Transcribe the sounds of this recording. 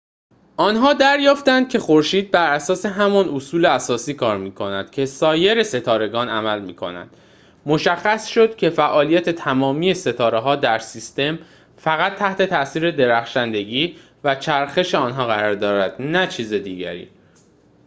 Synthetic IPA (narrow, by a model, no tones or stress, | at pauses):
ʔɒːnɦɒːd̪æɾjɒːft̪ænd̪̚cʰe̞xo̞ɾʃiːd̪̚bæɾæsɒːse̞ɦæmɒnʔosuːleæsɒːsiːkʰɒːɾmiːkʰo̞næd̪̥cʰe̞sɒːje̞ɾe̞se̞t̪ʰɒːɾe̞ɡɒːnæmælmiːkʰo̞̰næ̰nd̪̥ | mo̞ʃæxːæsʃo̞d̪̚cʲʰe̞fæʔɒːlijæt̪ʰe̞t̪ʰæmɒːmiːje̞se̞t̪ʰɒːɾe̞ɦɒːd̪æɾsist̪e̞m | fæɣæt̪ʰːæht̪e̞t̪ʰæsiːɾe̞d̪e̞ɾæxʃænd̪e̞ɟiː | væt͡ʃʰæɾxe̞ʃe̞ɒːnɦɒːɣæɾɒːɾd̪ɒːɾæd̪̥næt͡ʃʰiːzed̪iːɟæ̰ɾḭː